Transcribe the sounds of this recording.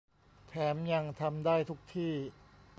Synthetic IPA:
t̪ʰɛː˩˦mja˧ŋt̪ʰa˧mdaː˥˩jt̪ʰu˦˥k̚t̪ʰiː˥˩

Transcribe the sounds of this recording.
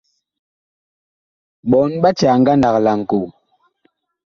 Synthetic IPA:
ɓɔ˨nɓa˦t͡ʃa˨ŋ˦ɡa˦nda˨kla˨ŋ̩˨ko˨

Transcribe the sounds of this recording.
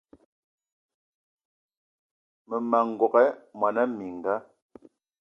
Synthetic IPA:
mə˨ma˨ŋ̩˨ɡɔ˨kɛ˦mwa˨na˦mi˨ŋ˨ɡa˦

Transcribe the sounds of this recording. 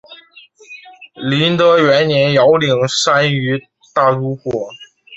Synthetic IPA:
li˧˥nt̪ɤ˧˥ɥɛ˧˥nnjɛ˧˥njɑ˧˥ʊli˨˩ŋʂa˥ny˧˥ | t̪a˥˩ɻu˥xwɔ˨˩˦

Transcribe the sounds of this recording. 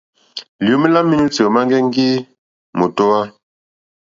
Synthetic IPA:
li˨u˨˦mi˦la˦mːi˦nu˦t͡sə˨ma˦ŋɡɛ˦ŋ˦ɡi˦ | mo˨to˦wa˦

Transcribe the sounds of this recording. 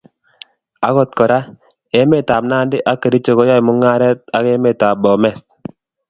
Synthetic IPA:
a˨˦ɣɔ˦˨t̪̚kɔ˨ɾa˦ | e˦me˦˨ta˨m̚na˦ndɪ˦ʔa˦kːe˨ɾi˦t͡ʃo˨ɣɔ˦jɔ˦ɪ˨mʊ˦ŋa˦ɾɛ˦t̪̚a˦ke˦me˨ta˨bɔ˨mɛ˨s

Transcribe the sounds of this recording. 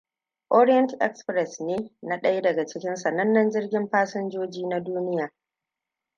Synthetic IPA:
ʔɔ˦ɾɪ˦jɛ˦ntʔɛ˦kspɾɛ˨sneː˦na˦ɗɐ˦je˦dɐ˨ɡa˨t͡ʃɪ˦kʲɪ˦nsa˨nɐ˦nːɐ˦nd͡ʒɪ˦rɡʲɪ˦mɸaː˦sʊ˦nd͡ʒoː˦d͡ʒiː˦na˦duː˦nɪ˦jaː˨

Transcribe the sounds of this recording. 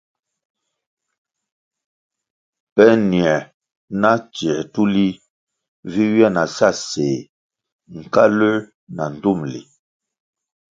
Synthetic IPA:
pɛ˦ni˨ɛ˨ | na˦t͡ʃɛ˨tu˦li˦ | vi˦ɥjɛ˦˨na˨sa˦˨seː˨ | ŋ̩˨ka˦lə˦ | na˨n̩˨du˦˨mlḭ˨

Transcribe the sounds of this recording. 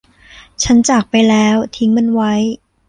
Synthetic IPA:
t͡ɕʰa˦˥nt͡ɕaː˨˩k̚pa˧jlɛː˦˥wt̪ʰi˦˥ŋma˧nwa˦˥j

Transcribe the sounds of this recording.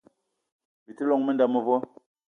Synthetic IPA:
bi˨ti˦lɔ˦ŋmə˦nda˦˨mə˨vɔ˦

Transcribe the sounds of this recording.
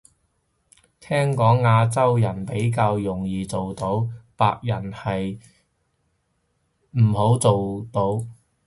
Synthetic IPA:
t̪ʰɛː˥ŋkɔː˨˥ŋːaː˧t͡sɐ˥wjɐ˨˩npe˨˥jk̬aː˧wjʊ˨˩ŋjiː˨˧t͡so˨wt̪o˨˥wpa̰ː˧k̚jɐ˨˩nhɐ˨j | m̩˨˩ho˨˥wt͡so˨wt̪o˨˥w

